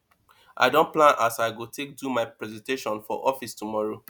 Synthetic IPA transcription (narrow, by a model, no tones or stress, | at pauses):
ʔa̰ɪdõnplãnʔasaɪɡotʰek̚dumaɪpɹɛzɛ̃nteʃɔ̃nfɔ̰ʔɔfistumɔɹo